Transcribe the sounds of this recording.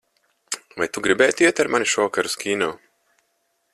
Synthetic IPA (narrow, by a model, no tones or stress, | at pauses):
vajt̪uɡɾibɛjt̪iɛt̪aɾmanʲiʃɔɔkaɾuskʲʰiːnɔw